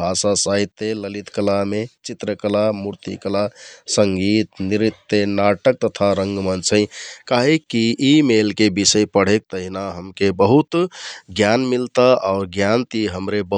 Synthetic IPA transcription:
asasait̪ːeləlit̪kəlamet͡ʃit̪ɾəkəlamuɾt̪ḭkəlasəŋɡit̪niɾit̪ːenaʈək̚t̪ət̪ʰaɾəŋɡmənt͡ʃʰəjkaɦekːiːmelkebisəjpəɽ̤ek̚t̪əɦinaɦəmkebəɦut̪ɡjanmilt̪aaʊɾɡjant̪iɦəmɾebə

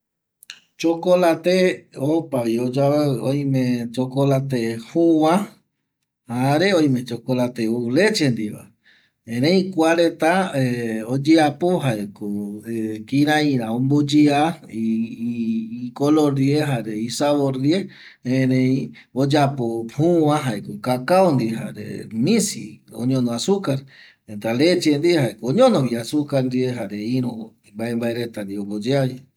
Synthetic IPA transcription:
t͡ʃokolat̪eopaβiod͡ʒaeoj̃mẽt͡ʃokolat̪ehowã | haɾe̞õj̃mẽ̞t͡ʃokolat̪eule̞t͡ʃend̪iʋa̰ | ẽɾ̃ẽĩkʷaɾet̪aeod͡ʒiapoɦaekoekĩɾãĩɾaõmbod͡ʒiai | koloɾieɦaɾeisaβoɾie | ẽɾẽj̃ | od͡ʒapophuãɦaekokakaond̪iɦa̰ɾḛnĩsio̰ɲõnõasukaɾ | ent̪alet͡ʃend̪iehaekooɲõnoβiasukaɾnd̪ieɦaɾeiɾo | mbaembaeɾet̪and̪iombod͡ʒeai

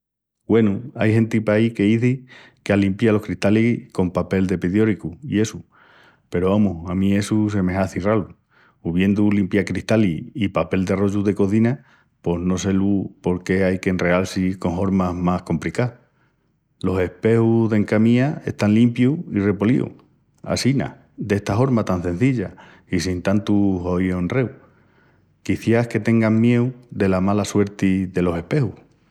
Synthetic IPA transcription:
ɡwe̞nuajɦẽ̞nt̪ipaike̞iθi | kealimpjalo̞hkɾiht̪aliko̞mpape̞ld̪e̞piðjo̞ɾikuḭe̞su | pe̞ɾoβamuhamĩe̞sus̬e̞meɦaθiralu | uβje̞nd̪ulimpjakɾiht̪aliipape̞ld̪earo̞ʝuðe̞ko̞θina | po̞ɦno̞se̞lupo̞ɾke̞ajke̞nre̞alsiko̞ŋɦo̞ɾmamahko̞mpɾika | lo̞se̞hpe̞huðeŋkamiae̞̰ht̪anlimpjuire̞po̞lḭṵ | a̰sina̰ | d̪e̞ht̪afo̞ɾmat̪anse̞n̟θiʎa | isint̪ant̪uɦo̞jo̞nre̞w | kiθjahke̞t̪e̞ŋɡammje̞wðe̞lamalaswe̞ɾt̪iðe̞lo̞se̞hpe̞huh

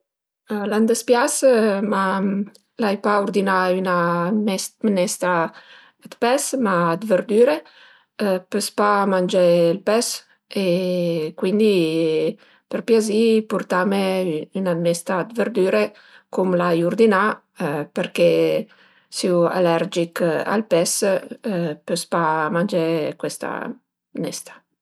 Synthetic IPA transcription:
land̪əspjasma | lajpauɾd̪inayna | mnɛst̪ɾa | d̪pɛsmad̪vəɾd̪yːɾe | pəspamand͡ʒelpɛs | ekwind̪i | peɾpjazipurt̪ameynanɛst̪aːd̪veɾd̪yːɾe | kumlajuɾd̪ina | peɾke | siua̰lɛɾd͡ʒika̰lpɛs | pøspamand͡ʒekwest̪a̰ | nɛ̰st̪ḁ

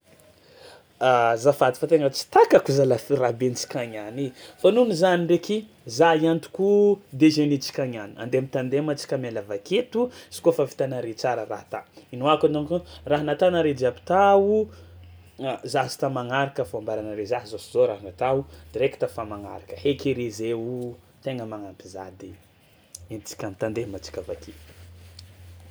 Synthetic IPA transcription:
azafad̪ifat̪eŋat͡si̥t̪akakuzalafrabenit͡ʃi̥kʲaɲanifanunizanireki | zaiant̪u̥kud̪ezenit͡si̥kʲaɲania̰nd̪emit̪and̪emat͡si̥kʲamelavaket̪ut͡ʃi̥kofafi̥t̪anaɾet͡saɾəra̰ht̪ainoakanakuraɦanat̪anaɾed͡ʒiapi̥t̪au | zaɦsi̥t̪amaŋaɾakəfambaɾanəɾezaɦizosizoɾaɦnat̪aud̪̥iɾeki̥t̪afamaŋa̰ɾakəhekeɾezeu | t̪eŋəmaŋampiza̰d̪i | int͡si̥kʲamit̪and̪emat͡si̥kʲava̰kʰet̪u̥

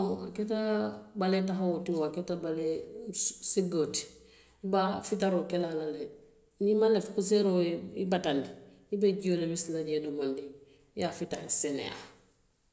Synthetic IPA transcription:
aaketabaletaɦawotiwaketabale | siɡoti̥ | ibafitaɾokelalale | ɲimalefkus̬eɾoḭbatani | ibeɟiolebislaɟedomondi | jafitasenḛja̰

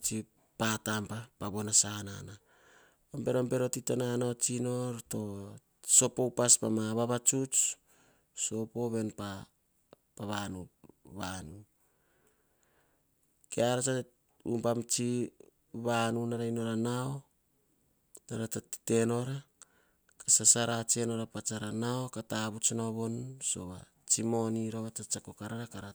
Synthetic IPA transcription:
t͡ʃi | patampapaβonasanana | ombe̞ɾombe̞ɾo̞titenanaot͡ʃino̞ɾto̞ | so̞powpaspamaβaβat͡ʃut͡ʃ | so̞po̞βe̞npa | paβanuβanu | keaɾat͡ʃa | ṵmpamt͡ʃi | βanunaɾajno̞ɾanao | naɾatati̥te̞no̞ɾa | kasasaɾat͡ʃeno̞ɾapat͡ʃaɾanaokataβut͡ʃonoβo̞nso̞̰βa | t͡ʃimo̞niɾoβat͡ʃat͡ʃakokaɾaɾakaɾa

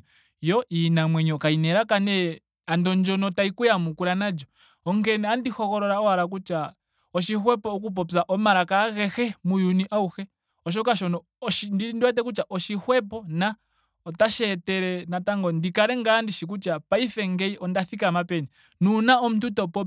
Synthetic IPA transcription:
jɔʔinamwɛɲɔkainɛɾakanɛ | andɔnd͡ʒɔnɔtaikujamukuɾanad͡ʒɔ | ɔŋɡɛnɛandihɔkɔɾɔɾaɔaɾak̬ut͡ʃa | ɔʃihwɛpɔːk̬up̬ɔpzaʔɔmaɾakaɣɛxɛmujuniʔauxɛ | ɔʃ̬ɔkaʃɔnɔ | ʃindindiwɛt̬ɛk̬ut͡ʃaʔɔʃihwɛpɔna | ɔtaʃɛtɛɾɛnataŋɡɔndikaɾɛŋɡandiʃik̬ut͡ʃapaifɛŋɡɛiʔɔndaθikamapɛni | nunaɔm̩ututɔpɔ

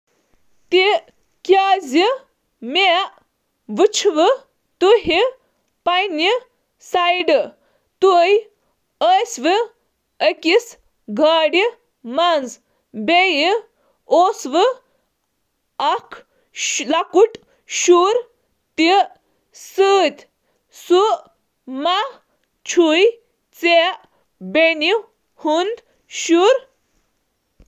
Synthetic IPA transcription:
t̪i | kʲaːzi | meʔ | ʋɨt͡ʃʰʋɨ | t̪uɦi | pajni | sajɖ | t̪uj | əsʋɨ | əkis | ɡʱaːɽi | mɐnz | beji | oːsʋɨ | ɐkʰ | lɐkuʈ | ʃuːɾ | t̪i | sɨːt̪ʲ | su | ma | t͡ʃʰuj | t͡seʔ | beni | hund̪ | ʃuɾ

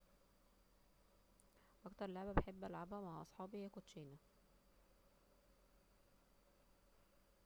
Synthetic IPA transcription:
wʔækt̪ɑɾˤlaʕbæbeħebːʔælʕabhæmaʕaʔɑsˤħɑːbijːækot̪ːʃeːnæ

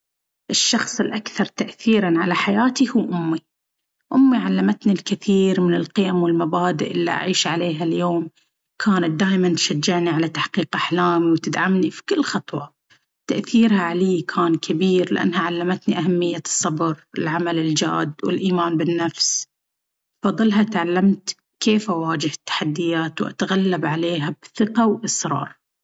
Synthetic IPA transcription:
ʔɪʃːɑxsˤɪlʔakθɑɾˤt̪aʔθiːɾanʕalaħajaːt̪ihuːʔʊmːi | ʔʊmːiʕalːamat̪nilkɪθiːɾmɪnɪlqɪjamwɪlmabaːd̪ɪʔɪlːḭʔa̰ʕiːʃʕaleːɦaljoːm | kʰaːnat̪̚d̪aːʔmant̪ʃad͡ʒːɪʕniʕalat̪aħqiːqʔaħlaːmiwt̪ɪd̪ʕamnifi̥kʊlːxɑt̪ˤwɑ | t̪aʔθiːɾhaʕaliːkʰaːnkʰabiːɾlɪ̰ʔa̰nːhaʕalːamat̪niʔaɦamːɪjːasˤːɑbɾɪ̰lʕamalɪld͡ʒa̰ːd̪wɪ̰lʔiːmaːnbɪnːafs | fɑðˤːɨlɦat̪ʕalːamt̪ | keːfʔawaːd͡ʒɪhɪt̪ːḁħad̪ːɪjaːt̪wʔa̰t̪aɣalːabʕaleːɦabθɪqawʔɪsɾˤɑ̰ːɾˤ

